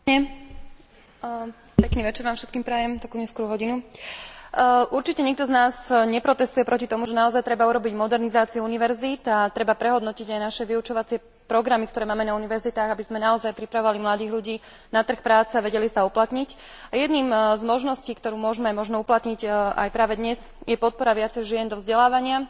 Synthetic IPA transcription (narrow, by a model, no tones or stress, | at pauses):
ɲɛ | pɛkniːʋɛt͡ʃɛɾʋaːmfʃɛt̪̚kiːmpɾɛjɛmt̪ɔkuːɲɛskʊɔɾuɦɔɟinu | ʔuɾt͡ʃicɛɲɛk̚t̪ɔznaːzɲɛpɾɔt̪ɛst̪ujɛpɾɔcit̪ɔmuʒɛnaɔzajt̪ɾɛbauɾɔbiɟmɔd̪ɛɾnizaːt͡siuuniʋɛɾzit̪at̪ɾɛbapɾɛɦɔd̪nɔciɟajnaʃɛʋiut͡ʃɔʋat͡sɪɛ | pɾɔɡɾamikt̪ɔɾɛːmaːmɛnauniʋɛɾzit̪aːɣabizmɛnaɔzajpɾipɾaʋɔʋalimlad̪iːɣʎuɟiː | nat̪r̩xpɾaːt͡sɛaʋɛɟɛlisauplat̪ɲic | ajɛd̪niːmzmɔʒnɔsciːkt̪ɔɾuːmʊɔʒmɛajmɔʒnɔuplat̪ɲiɟa̰jpɾaːʋɛd̪ɲɛz | jɛpɔt̪̚pɔɾaʋɪat͡sɛjʒɪɛnd̪ɔvzɟɛlaːʋaɲɪa